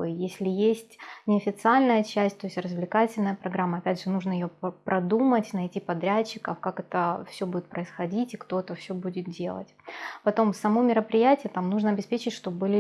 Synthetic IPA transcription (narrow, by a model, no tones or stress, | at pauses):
jesʲlʲɪjesʲtʲnʲɪɐfʲɪt̪sɨalʲnəjət͡ɕæsʲtʲt̪o̞ɪsʲtʲrəzvlʲɪkatʲɪlʲnəjəpɾɐɡɾamːəɐpʲædʲʐɨnuʐnəjɪjopɾʔɐd̪umətʲnɐjtʲipɐd̪ɾʲæt͡ɕːɪkəfkakɛt̪əfsʲɵbudʲɪt̪̚pɾəɪsxɐdʲitʲɪkt̪o̞ɛt̪əfsʲobudʲɪt̪̚dʲe̞lˠə̰tʲpɐt̪o̞msɐmo̞mʲɪɾəpɾʲɪjætʲɪjət̪amnuʐnəɐbʲɪspʲet͡ɕɪtʲʂt̪o̞bɨlʲɪ